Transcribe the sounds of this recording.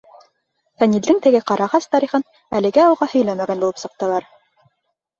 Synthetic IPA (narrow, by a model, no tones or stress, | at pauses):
fænʲild̪ɘŋt̪ɘ̆ɡɘqɑɾɑʁɑst̪ɑɾiχɤn | ælɘ̆ɡæɑlˠʁɑhɵ̆jlæmæɡænbulˠɤpsɤ̆q̚t̪ɤ̆lˠɑɾ